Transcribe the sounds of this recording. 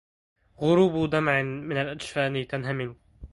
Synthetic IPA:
ɣʊɾuːbd̪amʕɪmɪnalʔaʃfaːnɪt̪anɦamɪn

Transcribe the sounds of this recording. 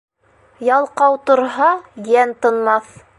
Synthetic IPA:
jɑlˠqɑwt̪ŏɾɦɑjænt̪ɤ̆nmɑθ

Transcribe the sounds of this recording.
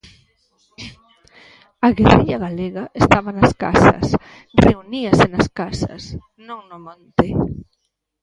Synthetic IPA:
aɣeriʎɐɣaleɣaʔest̪aβɐnaska̰sɐ̰s | reuniɐsenɐskasɐ̰s | nõŋnomãnt̪e

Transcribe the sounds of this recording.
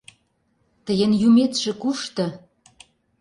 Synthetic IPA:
t̪ə̆jə̆njumet̪ʃĕkuʃt̪ɤ̆

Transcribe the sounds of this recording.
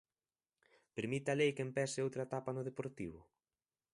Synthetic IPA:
peɾmit̪alejkempɛsɪowt̪ɾaet̪apanʊðepoɾt̪iβ̞ʊ

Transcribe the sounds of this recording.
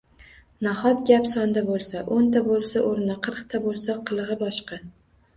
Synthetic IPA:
nahɒt̪ɡʲapsɒnd̪abolˠsaʔont̪ʰabolˠsaʔoɾnɪqʰɨɾqt̪ʰabolˠsaqʰɨlˠʁɨbɒʃqɑ

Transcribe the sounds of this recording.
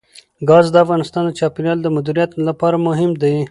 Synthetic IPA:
ɡɑzd̪əafɣɑnɪst̪ɑnd̪ət͡ʃɑpɪɾjɑld̪əmad̪iɾijat̪lapɑɾamʊɦɪmd̪a

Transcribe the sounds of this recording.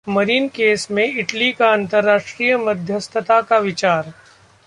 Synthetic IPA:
mɐɾiːnkeːsmẽɪʈlikaɐ̃nt̪əɾːaːʃʈɾiːjəmɐd̪ʱjəst̪ʰət̪akaʋɪt͡ʃaːɾ

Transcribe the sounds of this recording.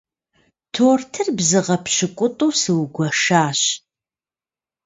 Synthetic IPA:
tʰoːrtʰɨrbzɨʁɐpʰɕɪkʷʼʊtʼuːsɨwɡʷɐʂaːɕ

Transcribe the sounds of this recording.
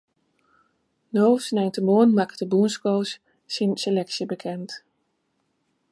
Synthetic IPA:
nowsnɛjntəmoːənmaktəbunskows | sinselɛksjəbəkʰɛnt

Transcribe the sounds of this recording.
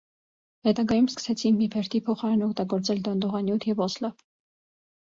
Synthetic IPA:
hɛt̪ɑɡɑjumskə̥sɛt͡sʰinmipʰɛɾt̪ʰipʰɔχɑɾɛnɔk̚ʰt̪ɑɡɔɾt͡sɛld̪ɔnd̪ɔʁɑnjut̪ʰjɛvɔslɑ

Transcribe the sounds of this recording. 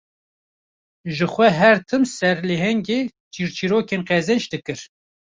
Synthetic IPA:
ʒɨxʷɛɦɛɾt̪ʰɨmsɛɾleɦɛŋɡeː | t͡ʃiːɾt͡ʃʰiɾoːkeːnqɛzɛnt͡ʃd̪ɨkɨɾ

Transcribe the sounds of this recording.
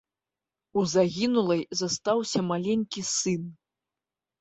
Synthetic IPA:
uzaɣʲinulˠɐjzast̪awsʲɐmalʲenʲkʲisɨn

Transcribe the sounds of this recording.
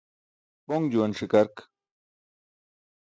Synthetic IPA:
poŋd͡ʑuɐnʂikɐɾk

